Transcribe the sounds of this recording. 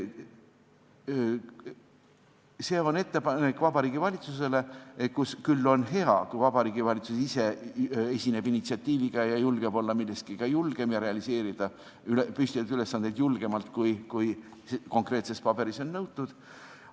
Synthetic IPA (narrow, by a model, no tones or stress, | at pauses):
se̞ːo̞ne̞t̪ːe̞pɑnekvɑbɑɾiːɡ̥ivɑlʲit̪sus̬e̞le̞kuskylːo̞nɦe̞ɑkujvɑbɑɾiːɡ̥ivɑlʲit̪susise̞e̞sʲine̞binit̪siɑt̪ːiːviɡ̥ɑjɑjulɡ̥e̞b̥o̞lːɑmilːe̞st̪kikɑjulɡ̥e̞mjɑɾe̞ɑlise̞ːɾid̪̥ɑ | ylepysʲt̪iɑt̪yle̞sːɑnd̪e̞d̪̥julɡ̥e̞mɑlt̪ˑkujkujko̞ŋkɾe̞t̪se̞spɑb̥e̞ɾiso̞nːɤwt̪ːud̪̥